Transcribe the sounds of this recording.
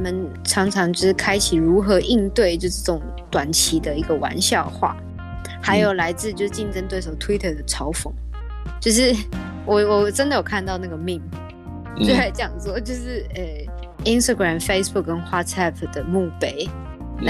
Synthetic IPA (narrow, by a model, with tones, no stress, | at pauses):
mə˨n | ʈ͡ʂʰɑ˧˥ŋʈ͡ʂʰɑ˧˥ŋt͡ɕo˥˧˥ʂɻ̩˥˩kʰa˥ɪt͡ɕʰi˨˩ɻu˧˥xɤ˧˥ʔi˥˧nt̪we˥˩ɪt͡ɕjo˥˧ʊʂə˥˩˧ʊ˨˩ŋ | t̪wa˨˩nt͡ɕʰi˧˥d̪ə˧i˧˥ɡə˧wa̰˧˥nɕjɑ˥˧ʊxwa̰˥˩ | xa˧˥ɪjo˨˩ʊla˧˥ɪt͡sɹ̩˥˧t͡ɕjo˥˧ʊʂɻ̩˥˩t͡ɕi˥˩nʈ͡ʂə˥nt̪we˥˩ɪʂo˨˩ʊt̪ʰwi˥t̪ʰə˥˩d̪ə˩ʈ͡ʂʰɑ˧˥ʊfɤ˧˥˦ŋ | t͡ɕjo˥˧ʊʂɻ̩˥˩ | wɔ˨˩wɔ˨˩ʈ͡ʂə˥nd̪ə˨jo˨˩ʊkʰa˥˧nt̪ɑ˥˧ʊna˥˩ɡə˩mi˥˩ŋ | t̪e˥˩˥t͡ɕjɑ˨˩ŋt͡swɔ˥˩t͡ɕjo˥˧ʊʂɻ̩˥˩ə˧˩ | i˥nst̪a˧˩ɡɹa˨˩mfe˥ɪsbu˥˩k̚kə˥nxwa˥t͡sʰa˥˩pʰd̪̥ə˩mu˥˩pe˧˩ɪ